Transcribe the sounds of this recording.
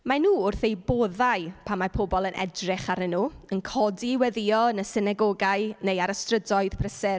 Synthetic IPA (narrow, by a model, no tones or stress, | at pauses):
manuːʊrθejboːðajpʰamapʰobɔlˠənʔɛ̰drɪχaɾɪnuːənkʰɔdiwɛðɪɔnəsɪnɛɡɔɡaɨnejaɾəstrədɔɨð̥pʰrəsɛr